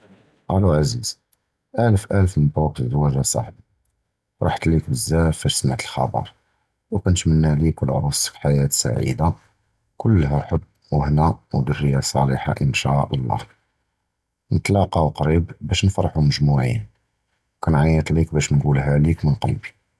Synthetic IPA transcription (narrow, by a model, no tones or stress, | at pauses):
ʔæluʕaziz̥ | ʔælfʔæləfməb̪uqd̪wæʒasˤɑ̰ħb | ɾˤɑ̰ħt̪likbəzːæfbæʃsmaʕt̪əlxɑ̰bɑ̰ɾˤ | ukænt̪mənːælikəlʕɾuskħajæt̪sa̰ʕḭd̪a | kʊlːɦæħəb̪ː | wəhnawd̪ərːəjasˤɑliħa̰ʔənʃæʔɑlˤːɑ̰h | nət̪lɑqɑwqɾibbæʃnfɑɾˤħuməʒmuʕḭn | wkænʕajət̪ˤlikbæʃnɡulɦælikmənqɑ̰lbi̥